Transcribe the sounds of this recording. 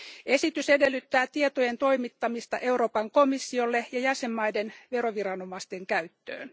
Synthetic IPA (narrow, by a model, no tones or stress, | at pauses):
ʔe̞sit̪yse̞de̞lːyt̪ːæːt̪iet̪oje̞nt̪o̞jmit̪ːɑmist̪ɑ̰ʔe̞uɾo̞ːpɑŋko̞misːiolːe̞jɑjæse̞mːɑjde̞nʋe̞ɾo̞ʋiɾɑno̞mɑst̪e̞ŋkæyt̪ːø̰ːn